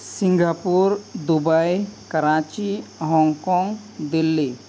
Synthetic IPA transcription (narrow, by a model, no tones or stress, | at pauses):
sĩŋɡapuɾd̪ubajkəɾat͡ʃiɦɔŋkɔŋɡ | d̪ilːi